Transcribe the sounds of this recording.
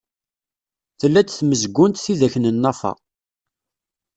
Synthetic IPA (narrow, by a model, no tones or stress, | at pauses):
θəlːæt͡sθməzɡʷːʊnt̪θiðæçnənːɑfɑ̰